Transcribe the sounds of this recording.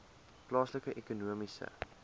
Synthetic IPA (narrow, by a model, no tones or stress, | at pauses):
plɑːsləkəʔekunuəmisə̰